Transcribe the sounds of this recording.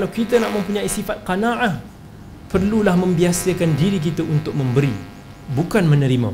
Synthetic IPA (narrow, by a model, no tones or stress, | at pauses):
kalawkit̪ənaʔmə̃mpuɲaisifat̪̚qanaʔa | pərlulahmə̃mbiasəkandiɾik̬it̪əʔunt̪ʊk̚mə̃mbəɾi | bukanmənəɾima̰